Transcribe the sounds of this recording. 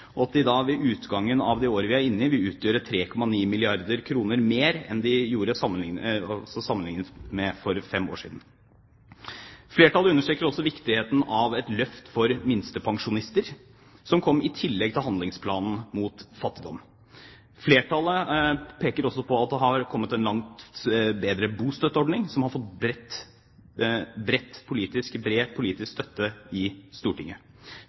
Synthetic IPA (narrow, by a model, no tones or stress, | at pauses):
ɔɑt̪̚d̪ɪd̪ɑʋɛʔʉːt̪ɡɑŋːənɑʋd̪ɛoːɾəʋɪæɾɪnːɪʋɪʉːt̪ʰjøːɾət̪ʰɾeːkʰɔmːɑniːmɪlɪɑɾd̪əɾkʰɾuːnəɾmeːɾɛ̰nd̪ɪjuːɾəsɑmənɪɑsɔsɑmːənɪŋnət̪mɛfɔɾfɛmo̰ːʂḭːd̪n̩ | fleːʈɑlːəʉnəʂʈɾeːkəɾɔsːɔʋɪkt̪ɪheːt̪n̩ɑʋɛt̪lœft̪fɔɾmɪnst̪əpʰɑŋʂʊnɪst̪əɾ | sɔmkʰɔmːɪt̪ʰɪlːɛɡ̚t̪ʰɪlhɑnd̪lɪŋspʰlɑːnn̩muːt̪fɑt̪ːɪd̪ɔmː | fleːʈɑləpʰeːkəɾɔsːɔpʰɔɑt̪̚d̪ɛɦɑɾkʰɔmːət̪ɛnlɑŋt̪beːd̪ɾəbuːst̪œt̪ːəɔɖɳɪŋsɔmhɑɾfɔt̪bɾɛt̪ː | bɾɛt̪ːpʰʊliːt̪ɪskbɾeːpʰʊliːt̪ɪskst̪œt̪ːəɪst̪uːʈɪŋːə